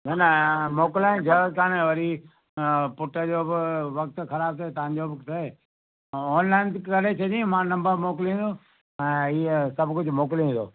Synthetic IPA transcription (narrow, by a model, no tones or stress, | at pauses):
nɐnɐmoːkɪlaːẽd͡ʑɐt̪ãːñẽʋɐɾi | pʊʈəd͡ʑoːbɪʋɐk̚t̪xɐɾaːb̚t̪ʰɐet̪ɐʋ̤ãːɲd͡ʑoʋɐkt̪ʰeː | ɔːnlaːɪnkɐɽet͡ɕʰɐd̪iũmãːnɐ̃mbəɾmoːkɪlĩːnd̪oː | ɛ̃ːiːsɐbʱkʊd͡ʑʱmoːk̬ɪlĩːd̪o̰ː